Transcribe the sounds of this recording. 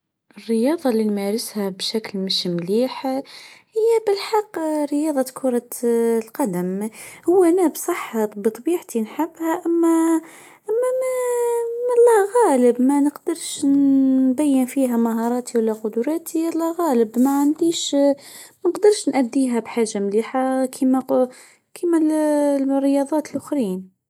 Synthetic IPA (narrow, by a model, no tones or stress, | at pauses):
ʔɪrːəjɑːðˤɑlːinmæɾɪshæbʃæklmɪʃmliːħhɪjːæbɪlħɑqːɾɪjɑːðˤɑkʰʊɾˤɑlqɑd̪æmhʊwːænæbsˤɑħːɑbt̪ˤbiːʕt̪inħɪbːhæʔæmːæ | ʔæmːæmæ | mælˤːɑɣæːləbmænəqd̪̥əɾˤʃnbæjːənfiːɦæmaɦɑɾˤɑːt̪ʰiwælːæqʊd̪ʊɾˤɑːt̪ʰiælːɑɣæːləbmæʕand̪iːʃ | mænəqd̪əɾˤʃnʔæd̪ːiɦæbħaːʒːamliːħakʰimæ | kʰimæl | rːəjɑd̪ˤɑːt̪əlʔʊxɾiːn